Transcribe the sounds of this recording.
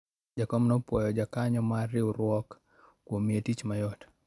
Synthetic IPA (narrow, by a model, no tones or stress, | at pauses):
d͡ʒakɔmnɔpwɔjɔd͡ʒakaɲɔmaɾiuɾwɔk | kwomietit͡ʃmajɔt